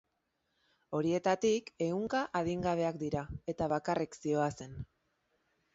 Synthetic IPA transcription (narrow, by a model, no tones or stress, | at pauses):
o̞ɾie̞t̪at̪ike̞ɣuŋkaʔaðiŋɡaβ̞e̞ak̚d̪iɾae̞t̪aβ̞akarʔiksio̞ase̞n